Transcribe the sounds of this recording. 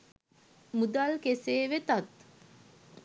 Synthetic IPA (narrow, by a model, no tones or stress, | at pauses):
mud̪alkeseːʋet̪at̪